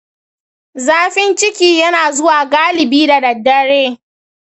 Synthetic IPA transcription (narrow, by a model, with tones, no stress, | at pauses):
zaː˦ɸɪ˦nt͡ʃɪ˦kʲiː˦jɐ˦naː˨zʊ˦waː˨ɡaː˦lɪ˨biː˦da˨dɐ˨dːɐ˦ɽeː˦